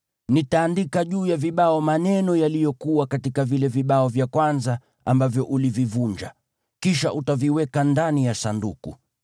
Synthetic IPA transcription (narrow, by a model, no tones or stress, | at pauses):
nitaːndikaʄuːjaviɓaɔmanɛnɔjalijɔkuwakatikavilɛviɓaɔvjakwanza | ambavjɔʔulivivuɲd͡ʒa̰ | kiʃaʔutaviwɛkandanijasandṵkṵ